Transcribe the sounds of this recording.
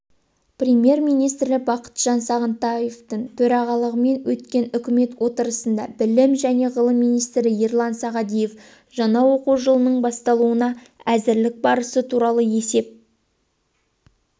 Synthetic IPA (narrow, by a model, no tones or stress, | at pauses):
prʲemje̞rmijnijst̪ɾɪlɪbɑqə̥t̪ʒ̥ɑnsɑʁənt̪ɑjeft̪əɴt̪ʰɵɾɑʁɑlˠəʁəme̞nwɵt̪kʲe̞nʏkʲɪme̞t̪wo̞t̪əɾəsənd̪ɑ̰bɪlɪmʒæne̞ʁəlˠəmːijnijst̪ɾɪjerlˠɑnsɑʁɑd̪ijef | ʒɑnɑwo̞quʒəlˠənəɴbɑst̪ɑlˠuənɑ | æzɪɾlɪk̚bɑɾəsət̪ʰuɾɑlˠəje̞se̞p̚